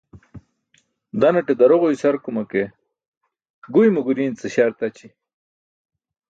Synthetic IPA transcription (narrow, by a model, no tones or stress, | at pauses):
d̪ɐnɐʈed̪ɐɾoʁojsɐɾkumɐke | ɡujmuɡuɾiːnt͡seɕaɾt̪ɐt͡ɕi